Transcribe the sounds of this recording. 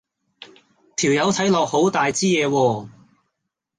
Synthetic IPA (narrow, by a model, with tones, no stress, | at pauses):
t̪ʰiː˨˩wjɐ˨˧wt̪ʰɐ˨˥jlɔː˨k̚ho˨˥wt̪aː˨jt͡siː˥jɛː˨˧wɔː˧